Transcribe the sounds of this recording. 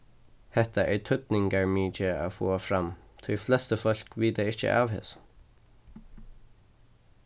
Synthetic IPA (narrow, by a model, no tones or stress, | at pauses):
hɛht̪aʔɛɹt̪ʰʏt̪nɪŋkaɹmiːt͡ʃəa̰foːafɾamt̪ʰʊjflɛst̪əfɔl̥kʋiːt̪aɪht͡ʃə̰ʔa̰ʋhɪ̰s